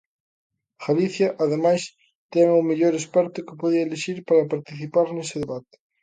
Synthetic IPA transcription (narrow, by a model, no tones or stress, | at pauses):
ɣaliθjɐʔaðemajs | t̪ɛŋʊmeʎoɾespɛɾt̪ʊkɪpoð̞iɐeleʃiɾpaɾɐpaɾt̪iθipaɾnesɪðeβat̪ɪ̥